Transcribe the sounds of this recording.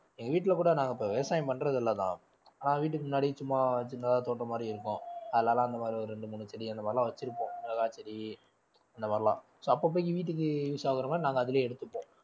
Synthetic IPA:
ɛŋɡɐʋiːʈ̬ːɪlɐkuːɽɐnaːŋɡɐɪpːoʋɛjɐsaːjɐmpɐɳːɾɐðɪlːɐt̪ã̰ː | aːnaːʋiːʈːɯkːɯmʊnːaːɽit͡ʃʊmːaːt͡ʃɪnːɐðãːt̪oːʈːɐmaːd̪ɾiɪɾɯkːʊ̃ɐðɐlaːlãːɪnd̪ɐmaːd̪ɾiɔɾɯɾɛɳɖɯmʊɳːɯt͡ʃːɐɾiɐnd̪ɐmaːɾɪlãːʋɐt͡ʃːɪɾɯpːõːʋlɐɣaːt͡ʃːɐɾi | ɐnd̪ɐmaːɾɪlã̰ː | soːɐpːɐːp̬ːoːɪk̬ːiʋiːʈ̬ːɯk̬ːɯjuːsaːɣɪɾɐmaːd̪ɾinaːŋɡɐːðɪleːɛɽɯt̪ːɯpːõː

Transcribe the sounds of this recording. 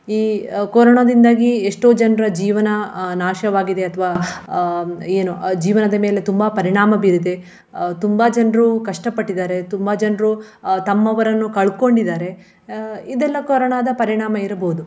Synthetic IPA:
iːkoɾɐɳɐd̪ind̪aːɡieʂʈo̞ːd͡ʒɐnɾɐd͡ʒiːʋɐnɐnaːʃɐʋaːɡid̪e̞ɐt̪ʰɐʋaː | eːnud͡ʒiːʋɐnɐd̪ɐme̞ːle̞t̪umbɐpɐɾiɳaːmɐbiɾid̪e̞ | t̪umbɐd͡ʒɐnɾukɐʂʈɐpɐʈːid̪aːɾe̞t̪umbad͡ʒɐnɾut̪ɐmːɐʋɐɾɐnːukɐɭko̞ɳɖid̪aːɾe̞ | id̪ɛlːɐkoːɾɐɳaːd̪ɐpɐɾiɳaːmɐiɾɐboːud̪u

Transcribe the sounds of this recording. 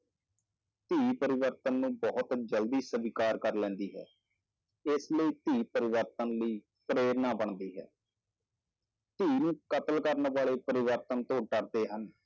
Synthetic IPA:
t̪iːpəɾɪʋəɾt̪ənːũːbɔːʊt̪d͡ʒəld̪iːsəʋɪkaːɾkəɾlɛ̃ːnd̪iːɦɛ̰ː | ɪsləiːt̪iːpəɾɪʋəɾt̪ənləiː | pɾeːɾnaːbəɳd̪iːɦɛ̰ː | t̪iːnũːkət̪əlkəɾnʋaːɭeːpəɾɪʋəɾt̪ənt̪õːʈəɾd̪eːɦən

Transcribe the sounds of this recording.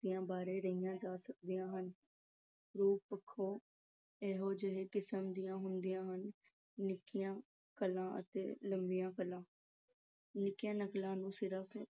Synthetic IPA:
d̪ijãːbaːɾeːɾəijãːd͡ʒaːsək̚d̪ijãːɦən | ɾuːppəkʰːoː | ɛːɦoːd͡ʒəɦeːkɪsəmd̪ijãːɦʊnd̪ijãːɦənː | ɪkɪjãː | kəlãːʔə̰t̪ḛːləmbijãːkəlːãː | nɪkɪjãːnəklãːnũːsɪɾəpʰ

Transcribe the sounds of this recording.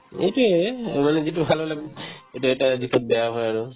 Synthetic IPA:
ḛjʈuemaned͡ʒeʈubʱalɦleeʈuɛʈad̪ikʰot̪̚beaɦɔeaɾo

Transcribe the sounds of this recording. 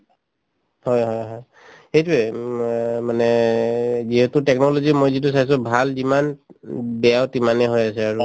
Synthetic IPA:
hɔjɦɔjɦɔj | xejtuɛ | manɛ | ziɦɛtʊtɛknɔlozimojzit̬us̬ajs̬ʊbʱalzimanbɛjawtimanɛɦojasɛaɹu

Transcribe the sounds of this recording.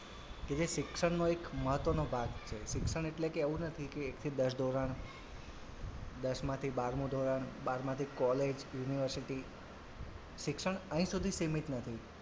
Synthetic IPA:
ked͡ʒeʃɪkʃəɳ̃noekməɦət̪ʋənobʱaɡt͡ʃʰeʃɪkʃəɳ̃eʈlekeeʋũnət̪ʰikeːkt̪ʰid̪əʃd̪ʱoɾaɳ | d̪əʃmãt̪ʰibaɾmũd̪ʱoɾaɳbaɾmãt̪ʰikɔled͡ʒjuniʋəɾsiʈi | ʃɪkʃəɳ̃əɦĩsud̪ʱisimit̪nət̪ʰi

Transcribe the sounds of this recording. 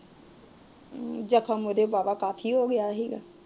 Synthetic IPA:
d͡ʒəkʰamod̪ebaːʋaːkaːfʰiːɦoːɡɪjaːɦiːɡa̰ː

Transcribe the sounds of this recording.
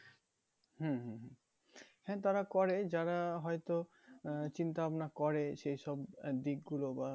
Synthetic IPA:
hũɦũɦũ | hɛ̃t̪aɾakɔɾed͡ʑaɾaɦɔjt̪o | t͡ɕint̪aabnakɔɾeʃejʃɔbd̪iɡɡuloba

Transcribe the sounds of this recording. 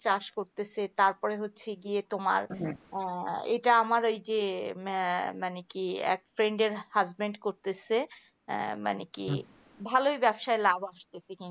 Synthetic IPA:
t͡ɕaɾʃkoɾt̪esʰet̪aɾpɔɾeɦotːɕʰeɡiet̪oma̰ɾ | ḛʈaamaɾojd͡ʑe | manekiɛ̰kfɾeɳɖeɾhazbeɳɖkoɾt̪esʰe | ma̰nekḭ | bʱalojbɛbʃaelabaʃt̪esʰekin

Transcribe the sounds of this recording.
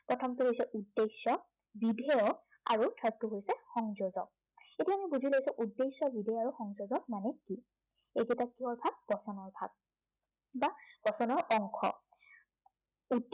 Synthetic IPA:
pɹɔtʰɔmtuɦojsɛʔudːesɔ | bidʱɛjɔ | a̰ɹudʰɹatːuɦojsɛxɔŋzozɔ̰k̚ | etiamibuzilaɡisʊ̃ʔudːesɔbidʱɛjɔaɹuxɔŋzozɔk̚manɛki | ejɡɛtakːiɔɹbʱak̚b̥ɔsɔnɔɹbʱa̰ɡ̚ | bab̥ɔsɔnɔɹɔŋkʰɔ̰ | ud

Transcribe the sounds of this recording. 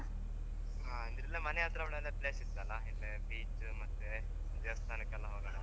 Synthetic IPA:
aːind̪ɾilːɐmɐnɛjaːt̪ɾɐʋɐɭɐlːepleːsit̪ːɐlɐilːebiːt͡ʃ | mɐt̪ːe | d͡ʒeʋɐst̪ʰaːnikɐlːɐɦoːɡɐɽɐ

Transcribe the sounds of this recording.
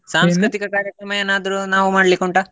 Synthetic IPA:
saːmskɾɨt̪ikɐkaːɾjɐkɾɐmɐjeːnaːd̪ɐɾunaːʋumaːɽlikoɳʈa

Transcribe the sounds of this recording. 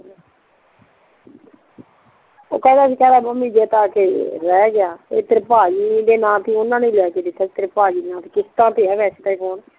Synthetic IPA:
o̰ːkɛ̃ːd̪aːkikɛːd̪aːməmːiːd͡ʒeːt̪aːkeːɾɛːɡɪjaːḛːt̪əɾpaːiːd̪eːnãːt̪ĩːʊnãːnĩːlɪaːkeːd̪ɪt̪ʰːaːt̪əɾepaːd͡ʒiːnãːt̪iːkɪst̪ãːt̪eːɛːʋɛːst̪eːkoːn

